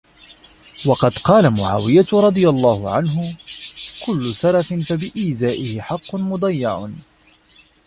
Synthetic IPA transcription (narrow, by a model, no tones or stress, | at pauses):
wɑqɑd̪qɑːlamʊʕa̰ːwɪjaɾˤɑd̪ˤɨjalˤːɑːhʊʕanɦʊ | kʊlːʊsɑɾˤɑfɪnfabɪʔiːzaːʔɪhɪħɑqːʊnmʊd̪ˤɑjːɑʕ̰